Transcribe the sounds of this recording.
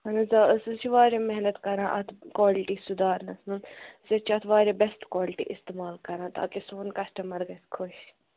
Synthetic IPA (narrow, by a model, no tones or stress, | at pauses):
ɐnɐzasɨt͡ʃʰiʋaːɾʲẽmɛɦnɐt̪kɐɾãːʔɐt̪ʰkwaːliʈisud̪aːɾnɐsnuzɐt͡ʃʰɐt̪ʰʋaːɾʲeːbɛsʈkwaːlɪʈḭʔist̪emaːlkɐɾãːt̪a̰ːkisoːnkɐsʈɐmɐɾɡɐskʰʊʃ